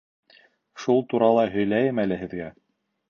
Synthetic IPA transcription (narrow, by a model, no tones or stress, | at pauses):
ʃulˠt̪uɾɑlˠɑɦɵ̆jlæjɘmælɘɦɘ̆ðɡæ